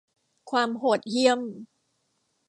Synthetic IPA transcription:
kʰwaː˧mɦoː˨˩t̪̚ji˧əm

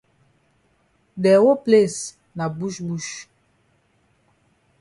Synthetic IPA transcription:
dɛ˨wo˦ple˦˨s | na˨bu˦ʃbu˦ʃ

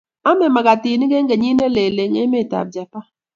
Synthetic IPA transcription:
a˦mɛ˨ma˨ɡa˨ti˨ni˦ɡe˦ŋ˦ɡe˨ɲi˦ne˦le˨le˨ŋe˦me˦˨ta̰˨p̚d͡ʒa˨pa˦

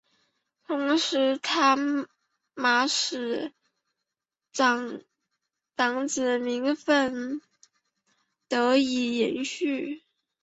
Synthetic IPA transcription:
t̪ʰʊ˧˥ŋʂɻ̩˧˥t̪ʰa˥ | ma˧˥ʂɻ̩˨˧˩ | ɑ˨˩ŋ | t̪ɑ˨˩ŋt͡sɹ̩˨˩mi˧˥ŋfə˥˩n | t̪ɤ˧˥i˨˩jɛ̰˧˥nɕy˥˩

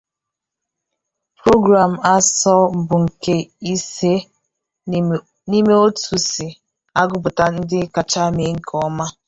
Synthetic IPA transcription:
pɾo˦ɡɾa˨m̩˨a˦sɔ˦m̩˨bʊ˨ŋ̩˨ke˦i˦se˦ | ni˦me˦o˦tu˨sɪ˨ | a˦ɡʊ˦˨bʊ˨ta˦n̩˦dɪ˦ka˨t͡ʃa˦me˨˦ŋ̩˦kʰɔ˦ma˦

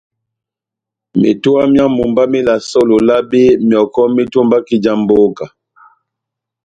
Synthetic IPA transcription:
mḭ˨tu˦a˦mja˦mu˨mba˦mi˦la˨sɔ˦lo˨la˦bi˦mjɔ˨kɔ˦mi˦tu˦mba˦ki˨d͡ʒa˨mbo˦ka˨

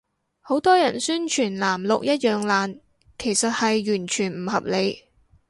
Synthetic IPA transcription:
ho˨˥wt̪ɔː˥jɐ˨˩nsyː˥nt͡ʃʰyː˨˩nlaː˨˩mlʊ˨k̚jɐ˥t̚jœː˨˧ŋlaː˨n | kʰe˨˩jsɐ˨t̚hɐ˨jːyː˨˩nt͡ʃʰyː˨˩nm̩˨˩hɐ˨p̚le˨˧j

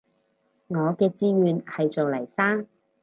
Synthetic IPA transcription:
ŋɔː˨˧kɛː˧t͡siː˧˥ɥyː˨˧nhɐ˨jt͡soː˨wlɐ˨˩jsaː˥ŋ

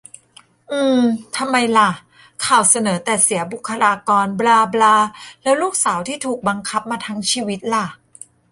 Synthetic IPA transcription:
ʔɯː˧˩t̪ʰa˧mːa˧jla˧˩ʔ | kʰaː˨˩wsa˧nɤː˩˦t̪ɛː˨˩si˩˦bu˨˩kʰːa˧laː˧kɔː˧nblaː˧blaː˧lɛː˦˥wluː˥˩k̚saː˩˦wt̪ʰiː˥˩t̪ʰuː˨˩k̚ba˧ŋkʰa˦˥p̚maː˧t̪ʰa˦˥ŋt͡ɕʰiː˧wi˦˥t̪̚la˨˩ʔ

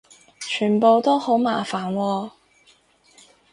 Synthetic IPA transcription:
t͡ʃʰyː˨˩npo˨˧wt̪o˥who˨˥wmaː˨˩faː˨˩nwɔː˧

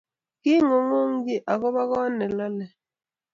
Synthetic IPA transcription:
ki˦ŋo˨ŋo˦ŋ̩˦ɡi˦ʔa˨ɣɔ˦βa˦ɣɔ˦nɛ˨la˦lɛ˨

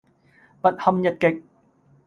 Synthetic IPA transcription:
pɐ˨t̚hɐ˨˧mjɐ˨t̚kɪ˨k̚

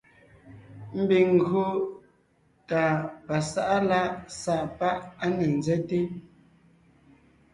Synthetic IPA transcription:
m̩˦bi˨ŋ̩˨ɡɰo˦ | ta˨pa˨sa˦ʔa˦la˦sa˦˨ʔpa˦ʔa˦ne˨n˨d͡zɛ˦te˦

